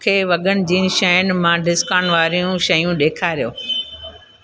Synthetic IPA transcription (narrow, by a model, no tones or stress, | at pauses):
kʰeːʋɐɠənɪ̆d͡ʑiːnʃɐənɪ̆mãɖɪskaːñʋaːɾijũʃɐjũɗeːkʰaːɾijoː